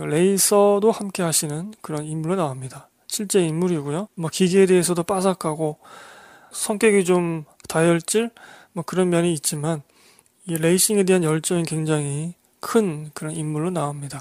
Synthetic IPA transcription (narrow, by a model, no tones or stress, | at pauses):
ɾe̞isʰʌdohamk͈e̞ɦaɕʰinɯnkɯɾʌnimːuɭːonaamɲida | ɕʰiɭt͡ɕ͈e̞imːuɾiɡujomwʌkiɡiede̞ɦesʰʌdop͈asakʰaɡo | sʰʌŋk͈jʌɡit͡ɕom | tajʌɭt͡ɕ͈iɭmwʌkɯɾʌnmjʌniːt̚t͡ɕ͈iman | iɾe̞iɕ͈ʰiŋe̞de̞ɦanjʌɭt͡ɕ͈ʌŋinkwe̞ŋd͡ʑaŋɦi | kʰɯnkɯɾʌnimːuɭːonaomɲida